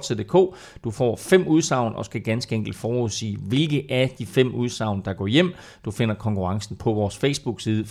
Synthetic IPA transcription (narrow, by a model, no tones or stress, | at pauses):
sʰed̥e̝kʰo̰ː | d̥ufɒ̰ːfem̰uð̞ˠsɑ̈ʊ̰nɒ̽sɡ̥æɡ̥ænsɡ̥əeŋɡ̥l̩d̥fɒːuðˠsḭːʋe̝lɡ̥ð̩ˠʔæɐd̥ifem̰uð̞ˠsɑ̈ʊnd̥ɑ̈ɡ̥ɒ̰ːjem̰ | d̥ufe̝n̰ɐkʰɒ̽ŋkʰuʁɑ̈ŋsn̩pʰɒ̽ʋɒːsfesb̥uɡ̥siːð̞ˠə